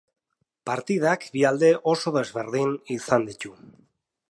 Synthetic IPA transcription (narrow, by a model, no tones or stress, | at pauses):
paɾt̪iðakbiald̪e̞ʔo̞so̞ðe̞zβe̞ɾðinisand̪it̪u